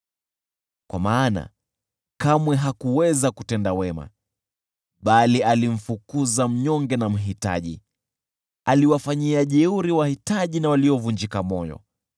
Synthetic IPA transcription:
kwa̰maːna̰ | kamwɛɦakuwɛzakutɛndawɛma̰ | ɓalialim̩fukuzam̩ɲɔŋɡɛnam̩ɦita̰ʄḭ | aliwafaɲiaʄɛuɾiwahitaʄinawaliɔvuɲd͡ʒikamɔjɔ̰

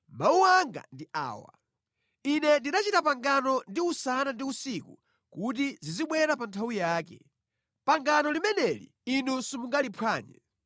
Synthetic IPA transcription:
mauwaŋɡa̰ndiʔa̰ːwa̰ | inɛndinat͡ʃitapaŋɡanɔndiusanandiusikṵ | kut̬iziziɓwɛɾapantʰawujaːkɛ̰ | paŋɡanɔlimɛnɛlḭ | inusumuŋɡalipʰwaːɲɛ̰

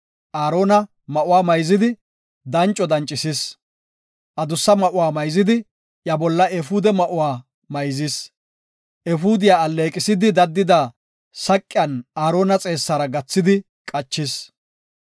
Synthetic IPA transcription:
ʔaːɾo̞ːnɐ | mɐʔʊwaːmɐjzɪd̪ɪ | d̪ɐnt͡ʃʼɔd̪ɐnt͡ʃʼːɪsɪs | ʔɐd̪ʊsːɐmɐʔʊwaːmɐjzɪd̪ɪ | jɐbɔlːɐʔɛfuːd̪ɛmɐʔʊwaː | mɐjzis | ʔɛfuːd̪ɪjaːɐlːe̞ːkʼɪsɪd̪ɪd̪ɐd̪ːɪd̪a | sɐkʼːɪjɐnaːɾo̞ːnɐt͡sʼe̞ːsːɐɾɐɡɐt͡sːɪd̪ɪ | kʼɐt͡ʃːɪs

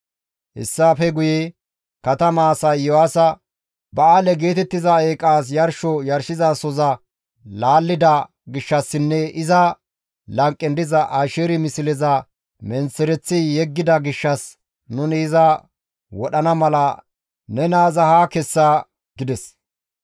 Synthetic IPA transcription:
hɪ̰sːaːfɛɡʊjɛ | kɐt̪ɐmaːsɐjːɔwaːsɐ | bɐaːlɛɡe̞ːt̪ɛt̪ːɪzɐeːkʼaːs̬jɐɾʃɔjɐɾʃɪzasɔzɐ | laːlːɪd̪ɐ | ɡɪʃːɐsːɪnːɛʔɪzɐ | lɐŋkʼːɛnd̪ɪzɐʔaːʃɛɾɪmɪsɪlɛzɐ | mɛnt͡sːɛɾɛt͡sːijɛɡːɪd̪ɐɡɪʃːɐs | nʊnɪːzɐ | wɔɗɐnɐmɐlɐ | nɛnaːzɐhaːkɛsːa | ɡ̥ɪd̪ɛs

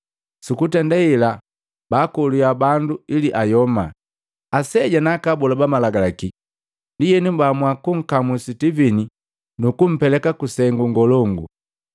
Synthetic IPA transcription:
sukutɛndaila | baːkɔlujabanduiliʔajɔma̰ | asɛɟanakabulabamalaɡalaki | lijɛnibamwakuŋ̩kamusitivini | nukum̩pɛlɛkakusɛŋɡuŋɡɔlɔŋɡṵ

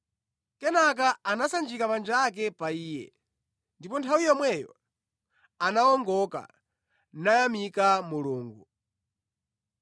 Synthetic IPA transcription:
kɛnak̬aanasand͡ʒikamand͡ʒːk̬ɛpaiːjɛ̰ | ndipɔntʰawijɔmwɛjɔ̰ | anaɔŋɡɔka̰ | najamikamuluːŋɡu

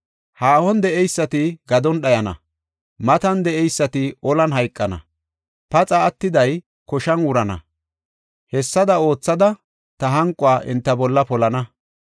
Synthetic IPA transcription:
haːhɔnd̪ɛʔɛjsːɐt̪ɪɡɐd̪ɔnɗɐjɐnɐ̰ | mɐt̪ɐnd̪ɛʔɛjsːɐt̪ɪɔlɐnɦɐjkʼːɐnɐ̰ | pɐt͡sʼɐːt̪ːɪd̪ɐj | kɔʃɐnwʊɾɐnɐ̰ | hɛsːɐd̪ɐo̞ːt͡sːɐd̪ɐ | t̪ɐɦɐŋkʼʊaːʔɪ̰nt̪ːɐbɔlːɐpɔlɐnɐ

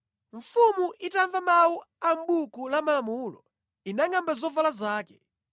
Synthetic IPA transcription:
ɱfumuʔitaɱvamawu | ambukulamalamuːlɔ̰ | inaŋambazɔvalazaːkɛ

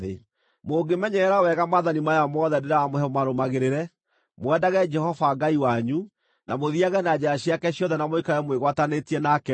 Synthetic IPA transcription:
ḛ | moːɡemɛɲɛːɾawɛɣamaðanimajamɔðɛdeɾaamohɛɔmaɾomaɣeɾeɾɛ | mwɛdaɣɛd͡ʒɛhɔvaɡaiwaɲu | namoðiaɣɛnad͡ʑaaɕjakɛɕjɔðɛnamoikajɛmweɣwatanetiɛnakɛ

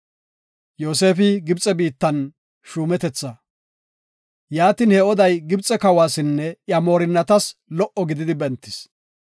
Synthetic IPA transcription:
joːse̞ːfɪɡɪbt͡sʼːɛbiːt̪ːɐn | ʃuːmɛt̪ɛt͡sːɐ | jaːt̪iːnhɛɔd̪ɐjɡɪbt͡sʼɛkɐwaːsɪnːɛʔjɐmo̞ːɾɪnːɐt̪ɐslɔʔɔɡɪd̪ɪd̪ɪbɛnt̪ːɪs

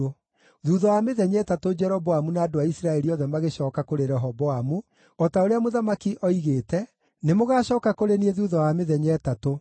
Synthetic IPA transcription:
o | ðuːðɔwameðɛɲɛtatod͡ʒɛɾɔbɔamunaːdoaisɾaɛɾiɔðɛmaɣeɕɔːkakoɾeɾɛɦɔbɔamu | ɔtaoɾeamoðamakiʔɔiɣeːtɛ | nemoɣaːɕɔːkakoɾenieðuːðɔwameðɛɲɛːtato

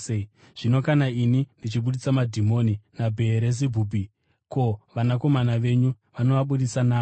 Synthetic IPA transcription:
ʐ̥ino̞kanainindit͡ʃiɓuɗit͡samadʱimo̞ːninabʱe̞ːɾez̬ibʱuːbʱi | ko̞ʋanako̞manaʋe̞ːɲu | ʋano̞ʋaɓuɗisanaː

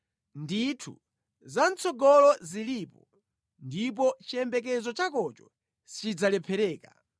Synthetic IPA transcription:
nditʰṵ | zant͡sɔɡɔlɔzilipɔ | ndip̬ɔt͡ʃiɛmbɛk̬ɛzɔt͡ʃakɔt͡ʃɔ | sit͡ʃid͡zalɛpʰɛɾɛːka̰

